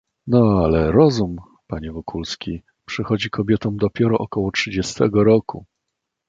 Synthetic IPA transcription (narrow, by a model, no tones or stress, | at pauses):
nɔalɛɾɔzum | paɲɛvɔkulskʲi | pʂɘxɔd͡ʑikʰɔbʲjɛt̪ɔ̃w̃d̪ɔpʲjɛɾɔʔɔkɔwɔtʂɘd͡ʑɛst̪ɛɡɔɾɔku